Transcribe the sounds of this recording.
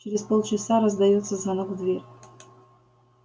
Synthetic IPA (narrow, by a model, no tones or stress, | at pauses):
t͡ʃʰeɾʲezpolˠt͡ʃʰɪsaɾazdajott͡sʰːɐzanɨkʷʼdvʲerʲ